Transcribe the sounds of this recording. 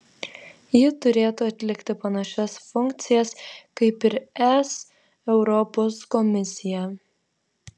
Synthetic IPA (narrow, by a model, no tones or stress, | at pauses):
jɪt̪ʊɾʲeːt̪uːɐt̪ʲlʲɪkt̪ʲɪpɐnɐʃʲɛsfʊŋʲk̚t̪sʲɪjɛskɐɪpɪɾɛs | ɛʊɾɔposkɔmʲɪsʲɪjɛ